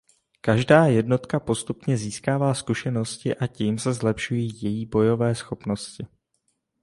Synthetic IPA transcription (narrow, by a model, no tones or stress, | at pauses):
kaʒdaːjɛdno̞t̪kapo̞st̪upɲɛziːskaːvaːskuʃɛno̞scɪʔaciːmsɛzlɛpʃujiːjɛjiːbo̞jo̞vɛːsxo̞pno̞scɪ